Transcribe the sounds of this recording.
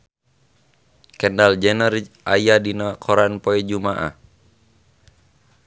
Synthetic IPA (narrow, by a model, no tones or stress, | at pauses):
kɛndald͡ʒɛnərʔajadinakʰɔɾanpɔɛd͡ʒumaʔa̰